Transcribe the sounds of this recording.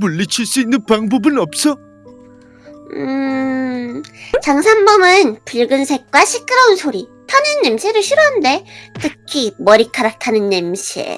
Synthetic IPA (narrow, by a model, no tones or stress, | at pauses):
muɭːit͡ɕʰiɭs͈uinːɯnpaŋbʌbɯnʌp̚s͈ʌ | ɯ | t͡ɕaŋsʰanbʌmɯnpuɭɡɯnsʰe̞k̚k͈waɕʰik͈ɯɾʌunsʰoɾitʰanɯnːe̞mɕʰeɾɯɭɕʰiɾoɦande̞tɯkʰimʌɾikʰaɾak̚tʰanɯnːe̞mɕʰiḛ